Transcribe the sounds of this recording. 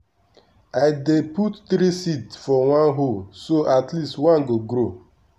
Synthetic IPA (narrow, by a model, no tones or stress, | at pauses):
aɪdeputtɾisitsfɔwãnɦolsoʔatlistwãnɡoɡɾo